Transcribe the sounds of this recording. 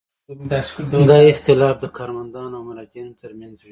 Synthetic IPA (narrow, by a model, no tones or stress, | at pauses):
md̪ɑɪxt̪ɪlɑfd̪əkʰɑɾmand̪ɑnawmalɑk̪jɑnot̪əɾmanzwi